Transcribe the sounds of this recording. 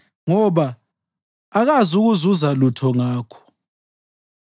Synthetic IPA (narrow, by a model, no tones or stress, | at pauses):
ŋɔβa | aɣazuɣuzuzalutʰɔŋaːkʰɔ̥